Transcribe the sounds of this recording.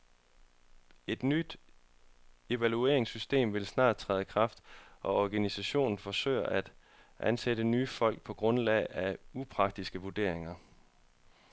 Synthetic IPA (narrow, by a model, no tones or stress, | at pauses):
e̝d̥nyd̥ | e̝ʋælue̝ɐeŋsysd̥e̝̰ːmʋe̝lsnɑ̰̈ːd̥̚t͡sʰʁɛ̰ːð̩ˠəkʰʁɑ̈fd̥ʔɒ̽ɒɡ̥ænisæɕo̝̰ːnn̩fɒ̽sø̰ɪɐʔæd̥ | ʔænsed̥ənyːfɒ̽l̰ɡ̥̚pʰɒ̽ɡ̥ʁɔ̽nlɛ̰ɪæupʰʁɑ̈ɡ̥̚d̥isɡ̥əʋud̥e̝̰ɐ̰e̝ŋɐ